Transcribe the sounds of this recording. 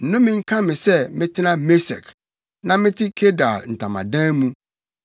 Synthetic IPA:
n̩˨nʊ̃˦mɪ̃˨ŋ̩˦kʰã˦mɪ̃˨sɛ˦mɪ̃˦tʰɪ˦nã˦me˦sɛ̰˨k | nã˨mɪ̃˦tʰɪ˦kʰe˦da̰˨ln̩˨tʰã˨mã̰˨dɛ̃˦mũ˦

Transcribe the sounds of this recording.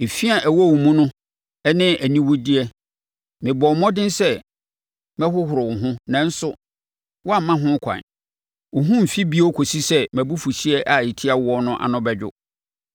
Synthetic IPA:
e˨fi˦a˨ʔæ˨wɔ˦˨ʊ˨mũ˦nʊ̃˦ | ɛ˦nɪ̃˦æ˨nĩ˦wʊ˦di˦ɛ˦ | mɪ̃˨bɔ˨mɔ̃˦dɪ̃˦n˦sɛ˦ | mɛ̃˦hʊ˦hʊ˨ɾʊ˨wʊ̃˨ɦʊ̃˦nã˨n̩˦sʊ˦ | wɔ˦a˨m̩˨mã˦ɦʊ̃˦kʷʰã̰˨n | wʊ˨ɦʊ̃˦m̩˨fi˦bi˦ɔ˦kʰo˨si˦sɛ˦mæ̃˨bu˦fu˨ɕi˦ɛ˦ʔa˨ji˨tʰi˦a˦˨wɔ˦nʊ̃˦ʔa̰˨nʊ̃˦bɛ˨d͡ʑᶣʊ̰˦

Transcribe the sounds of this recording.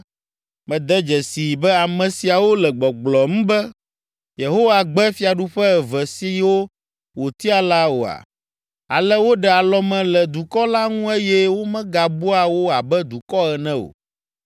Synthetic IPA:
mɛ̃˨d̪ɛ˦d͡ʒɛ˨si˨bɛ˦a˨mɛ̃˨si˨a˨wo˦lɛ˨ɡ͡bɔ˨ɡ͡blɔ˨m̩̃˦bɛ˦ | je˨ɦo˦wa˨ɡ͡bɛ˦fi˦a˨ɖu˦ɸɛ˦ɛ˨vɛ˨si˦wo˦ | wo˨t̪i˦a˨la˦wo̰˨a̰˨ | a̰˨lɛ˦wo˦ɖɛ˨a˨lɔ˦mɛ̃˨lɛ˨d̪u˨kɔ˦la˦ŋũ˦e˦jɛ˦wo˦mɛ̃˦ɡa˨bu˦a˨wo˦a˨bɛ˦d̪u˨kɔ˦ɛ˨nɛ̃˦o̰˨

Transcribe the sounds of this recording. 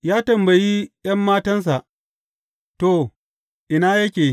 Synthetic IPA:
jaː˦tɐ˨mbɐ˨ji˦j̰ɐ˦mːaː˦tɐ˦ns̬a˨ʔ | to˨ | ʔɪ˨na˦jɐ˦kʲeː˨

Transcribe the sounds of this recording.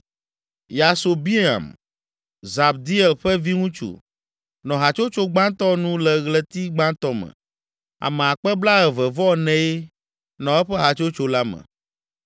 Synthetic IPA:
ja˨so˨bi˦ã̰˨m | za˨b̚d̪i˦ɛ˨lɸɛ˦vi˦ŋũ˦t͡ʃṵ˨ | nɔ̃˨ɦa˨t͡ʃo˦t͡ʃo˦ɡ͡bã˦t̪ɔ˦nũ˦lɛ˨ɣlɛ˦t̪i˦ɡ͡bã˦t̪ɔ˦mɛ̰̃˨ | a̰˨mɛ̃˨a˨k͡pɛ˦bla˦ɣɛ˨vɛ˨vɔ˦nɛ̃˨˦e˦ | nɔ̃˨ɛ˦ɸɛ˦ɦa˨t͡ʃo˦t͡ʃo˦la˦mɛ̰̃˨

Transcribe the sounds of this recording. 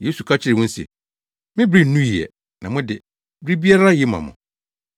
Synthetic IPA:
je˦su˨kʰa˦t͡ɕʰɪ˦ɾɪ˨wʊ̃˦n̩˦sɛ̰˨ | mɪ̃˦bɾi˦n̩˦nũ˦ji˨ɛ̰˨ | nʔã˨mʊ̃˦dɪ˨ | bɾi˦bi˦a˦ɾa˦jɪ˦mã̰˨mʊ̰̃˨

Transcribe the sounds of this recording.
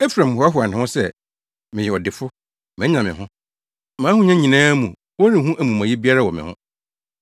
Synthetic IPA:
ɛ˦fɾã˨m˨hɔ˨˦a˦ɦʊ˨a˨n˨ã˨hʊ̃˦sɛ˦ | mɪ̃˨jɛ˨ɔ˨dɪ˨fʊ˦ | mɛ̃˨˦ɲã˨mɪ̃˨ɦʊ̃˦ | mãː˨˦hʊ̃˦ɲã˦ɲĩ˨nãː˦mũ˨ | wɔ˦nĩ˨ɦũ˦ʔæ˦mũ˨mã˨ji˦bi˦a˦ɾa˦˨wɔ˨mɪ̰̃˨hʊ̰̃˦

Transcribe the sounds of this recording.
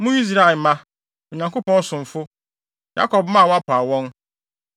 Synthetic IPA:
mʊ̃˦i˦s̬ɾa˦˨e˨mã˦ | o˨ɲã˨ŋko˦pɔ̃˦n˦sʊ̃˨m̩˨fʊ˦ | ja̰˦kʰɔ˨b̚mã˦˨wa˦pʰa˨wɔ̃˦n

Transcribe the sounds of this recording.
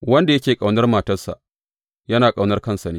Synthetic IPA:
wɐ˦nda˨jɐ˦kʲeː˨kʼa˨wnɐ˦rmaː˨tɐ˦rsa̰˨ʔ | jɐ˦naː˨kʼa˨wnɐ˦rkɐ˦nsɐ˨niː˦

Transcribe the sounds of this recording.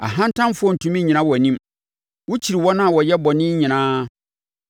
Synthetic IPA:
a̰˨ɦã˦n̩˦tʰã˦n˦fʊ˦ɔ˦˨n̩˨tʰũ˦mĩ˦ɲĩ˨nã˦wɔ˨nĩ˦m | wʊ˦t͡ɕʰi˨ɾi˨wɔ˦nã˦˨wɔ˨jɛ˦bɔ˨nɪ̃˦ɲĩ˨nãː˦

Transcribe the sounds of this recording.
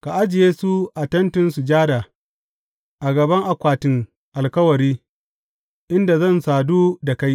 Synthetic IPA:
ka˨ʔa˦d͡ʒɪ˨jeː˦su˦ʔa˨tɐ˦ntɪ˦nsu˨d͡ʒaː˦daː˨ | ʔa˨ɡɐ˨bɐ˦ŋʔa˨kʷaː˨tɪ˨ŋ | ʔa˨lkɐ˦wɐ˨ɾiː˦ | ʔɪ˦nda˨zɐ˦˨nsaː˨duː˦da˨ka˦j

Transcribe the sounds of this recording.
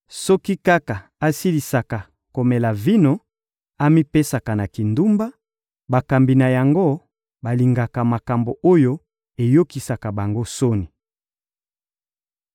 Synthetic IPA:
sɔ˦ki˦ka˦ka˨a˦si˦li˨sa˨ka˨ | ko˨me˨la˨vi˦no˨ | a˦mi˦pe˦sa˨ka˨na˨ki˨ndu˦mba˦ | ba˨ka˨mbi˨na˨ja˨ŋɡo˦ | ba˨li˨ŋɡa˨ka˨ma˨ka˨mbo˨ʔo˦jo˦ | e˨jo˦ki˨sa˨ka˨ba˨ŋɡo˦so˦ni˨

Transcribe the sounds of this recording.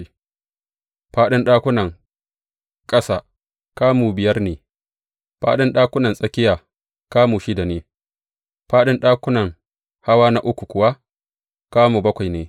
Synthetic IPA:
ɸaː˦ɗɪ˦nɗaː˦kʷʊ˦nɐ˨ŋ | kʼɐ˦saː˨ | kaː˦muː˨bɪ˨jɐ˦rneː˨ | ɸa̰ː˦ɗɪ˦nɗaː˦kʷʊ˦nɐ˨nsʼɐ˦kʲɪ˦jaː˨ | kaː˦muː˨ʃɪ˦da˨neː˦ | ɸaː˦ɗɪ˦nɗaː˦kʷʊ˦nɐ˨ŋ | ha˦waː˦na˦ʔʊ˦kʷu˨kʷʊ˨wa˦ | kaː˦muː˨bɐ˦kʷa˨jneː˨

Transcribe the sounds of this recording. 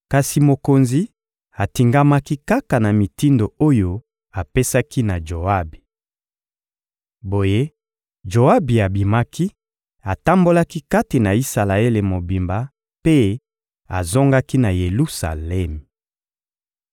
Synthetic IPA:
ka˨si˨mo˨ko˨nzi˨˦ | a˨ti˨ŋɡa˦ma˦ki˦ka˦ka˨na˨mi˨ti˦ndo˨o˦jo˦ | a˨pe˦sa˦ki˦na˨ʒo˨a˦bi˨ | bo˨je˦ | ʒo˨a˦bi˨a˨bi˨ma˦ki˦ | a˨ta˦mbo˦la˦ki˦ka˦ti˨na˨i˦sa˨la˨e˦le˨mo˨bi˨mba˦ | pe˦ | a̰˨zo˦ŋɡa˦ki˦na˨je˨lu˦sa̰˨lɛ˦˨m˨

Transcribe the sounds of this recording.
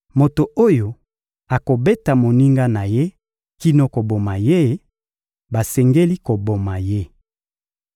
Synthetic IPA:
mo˨to˨o˦jo˨ | a˨ko˨be˦ta˨mo˨ni˦ŋɡa˦na˨je˦ | ki˦no˦ko˨bo˨ma˨je˦ | ba˨sɛ˨ŋɡe˦li˦ko˨bo˨ma˨je˦

